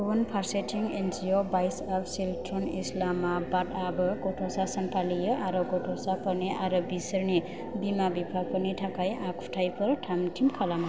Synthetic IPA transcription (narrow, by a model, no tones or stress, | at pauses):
npʰaɾseʈʰiŋend͡ʒijobajsapʰsilʈɾonislamːabaʈabʌɡoʈʰosasʌnpʰalijʌʔaɾɔɡoʈʰosapʌneʔaɾɔbisʌɾne | bimabipʰapʌneʈʰakajʔakʰu̥ʈʰajpʰʌɾʈʰamʈʰimkʰalama